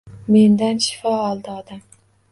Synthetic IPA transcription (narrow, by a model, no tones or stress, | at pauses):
me̞nd̪anʃɪ̥fɒɒlˠd̪ɪɒd̪am